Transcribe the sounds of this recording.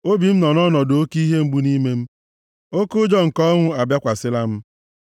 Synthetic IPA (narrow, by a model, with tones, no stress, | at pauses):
o˦bi˨m̩˦nɔ˨nɔ˦nɔ˨do˦ki˦ɦe˦ŋ͡m̩˦ɡ͡bu˦ni˦me˦m̩˦ | o˦kʊ˦d͡ʒɔ˦ŋ̩˨kɔ˦ŋʷʊ˦a˨bja˦kʷa˨sɪ˦la˦m̩˦